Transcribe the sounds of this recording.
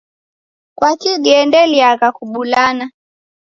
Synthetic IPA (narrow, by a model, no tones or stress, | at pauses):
kwakiɡɛndɛliaɣakuɓulana